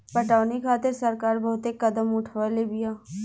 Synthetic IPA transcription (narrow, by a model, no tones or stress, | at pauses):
pɐʈaːnikʰaːt̪ɪɾsɐɾkaːɾbɐɦʊt̪ekɐd̪əmʊʈʰʋalebijaː